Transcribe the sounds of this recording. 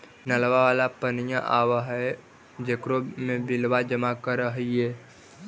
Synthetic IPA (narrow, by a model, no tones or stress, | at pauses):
nəlʋaʋaːlapənjãʔaːʋaɦɛ | d͡ʒekɾomẽbɪlʋad͡ʒəmakəɾəɦiɛː